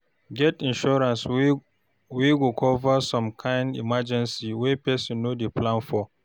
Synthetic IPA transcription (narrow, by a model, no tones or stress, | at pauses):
ɡɛtĩnʃɔɹãns | wiɡukʰɔvasɔ̃mkʰãɪ̃ndḭmad͡ʒɛ̃nsiwɛpɛsɔ̃nnodeplãnfɔ